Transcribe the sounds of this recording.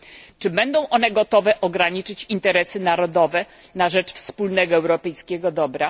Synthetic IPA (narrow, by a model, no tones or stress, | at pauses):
t͡ʂɘbɛnd̪ɔ̃w̃ʔɔnɛɡɔt̪ɔvɛʔɔɡɾaɲit͡ʂɘt͡ɕint̪ɛɾɛsɘnaɾɔd̪ɔvɛnaʐɛt͡ʂfspulnɛɡɔɛwɾɔpɛjskʲɛɡɔd̪ɔbɾa